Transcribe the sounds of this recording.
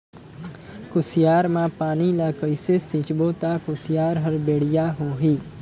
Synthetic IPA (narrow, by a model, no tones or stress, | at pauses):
kʊsjaːɾmãːpaːnilakəjsesĩt͡ʃbot̪akʊsjaːɾɦəɾbeːɽ̤jaɦoɦi